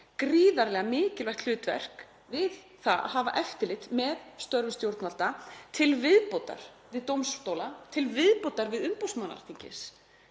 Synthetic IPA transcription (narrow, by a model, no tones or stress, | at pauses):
kɾiːðaɾlɛɣamɪːcɪlvajht̪l̥ʏːt̪vɛ̰r̥k | vɪð | θaa̰ɦaːva̰ʔɛft̪ɪlɪt̪mɛðst̪œɾvʏst̪jowɾt̪nval̥t̪at̪ʰɪlvɪðpowt̪a̰ɾ̥ | vɪðt̪owmst̪oːwlat̪ʰɪlvɪðpowt̪aɾvɪðʏmpowsman̰̥ːt̪ʰiɲcɪ̰s